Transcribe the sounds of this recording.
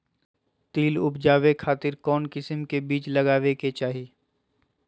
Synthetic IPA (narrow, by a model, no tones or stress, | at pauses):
t̪iːlʊpd͡ʒaːʋekʰaːt̪ɪɾkɔːnkɪsəmkebiːt͡ʃlɐɡaːʋeket͡ʃaːɦe